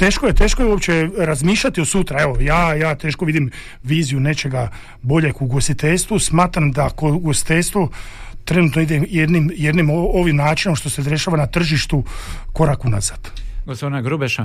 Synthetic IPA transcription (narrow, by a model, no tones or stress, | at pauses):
t̪e̞ːʃkoje̞t̪e̞ːʃkojeuopt͡ɕeɾazmiːʃʎʲat̪iosut̪ɾae̞ʋojaːjaːt̪eːʃkoʋid̪im | ʋiːzijune̞t͡ʃe̞ɡa | bo̞ʎe̞kuɡo̞st̪it̪e̞ʎʲst̪ʋusmaːt̪ɾamd̪akouɡost̪i̥t̪e̞ʎʲst̪ʋot̪ɾe̞nut̪noid̪ejed̪nimjed̪nimooʋimnaːt͡ʃinomʃt̪o̞sed̪ɾeʃaːʋanat̪r̩ʒiʃt̪uko̞ɾakuna̰zad̪̥ɡospod̪inaɡɾubeʃa